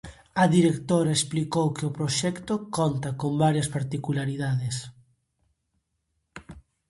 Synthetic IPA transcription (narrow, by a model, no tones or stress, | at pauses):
ɐðiɾekt̪oɾaesplikowkeɪʊpɾoʃɛkt̪okɔnt̪akombaɾjɐspaɾt̪ikulaɾiðaðes